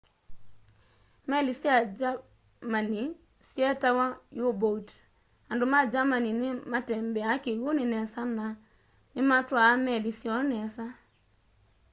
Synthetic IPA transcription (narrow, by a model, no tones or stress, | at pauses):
mɛlisiad͡ʒa | mani | siɛtawajobot | andomad͡ʒamaninɪmatɛmbɛakiɣonɪnɛsana | nɪmatwamɛlisjɔnɛsa